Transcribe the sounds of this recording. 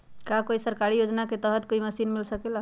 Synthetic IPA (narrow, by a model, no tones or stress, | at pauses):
kakoisəɾkaɾijod͡ʒnaket̪əɦət̪̚koiməsinmilsəkela